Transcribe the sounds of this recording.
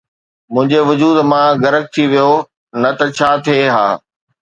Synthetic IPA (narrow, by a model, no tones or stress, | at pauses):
mʊ̃ɦɪ̃ɲd͡ʑeʋʊd͡ʑuːd̪mãɡɐɾək̚t̪ʰiʋijo | nɐt̪ɐt͡ɕʰaːt̪ʰieɦa̰ː